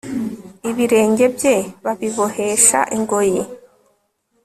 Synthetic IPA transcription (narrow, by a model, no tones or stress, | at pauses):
iβiɾe̞ːɲɟe̞bje̞βaβiβohe̞ʃa̰ʔiŋɡo̞je